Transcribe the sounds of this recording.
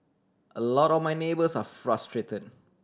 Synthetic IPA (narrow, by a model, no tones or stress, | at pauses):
ʔəlɔtɔfmajnebəsafɹastɹetəd̚